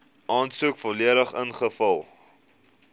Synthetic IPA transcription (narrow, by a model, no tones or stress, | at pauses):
ɑːnsuəkfɔliəɾəχənχəfɐlˠ